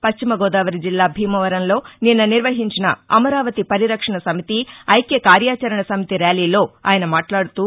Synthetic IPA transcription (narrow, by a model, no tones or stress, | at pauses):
pɐʃt͡ʃimɐɡɔːd̪aːʋɐɾid͡ʒilːaːbʱiːmɐʋɐɾɐnlo̞ːninːɐniɾʋɐɦiɲt͡ʃinɐ̰ɐ̰mɐɾaːʋɐt̪ipɐɾiɾɐkʂɐɳɐsɐmit̪iɐjkeːkaːɾjaːt͡ʃɐɾɐɳɐsɐmit̪iɾaːliːlo̞ːa̰ːjɐnɐmaːʈlaːɽut̪uː